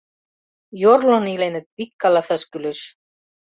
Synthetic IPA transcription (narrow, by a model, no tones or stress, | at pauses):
jɔɾlɔnilejnɪt̪vikːalaθœscʏlʏs